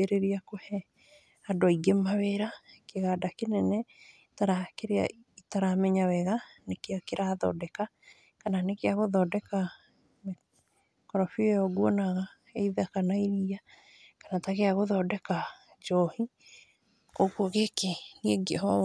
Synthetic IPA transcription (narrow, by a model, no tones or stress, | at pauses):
eɾeɾiakohɛ | adoaiɡemaweɾakeɣadakenɛnɛ | taɾakeɾea̰ | itaɾamɛɲawɛɣanekeakeɾaðɔ̰dɛka | kananekeaɣoðɔːdɛka | me | kɔɾɔfiɔjɔɡwɔnaɣa | eiðakanaiɾia | kanatakeaɣoðɔdɛka | d͡ʒɔhi | kokwɔɣekenieɡea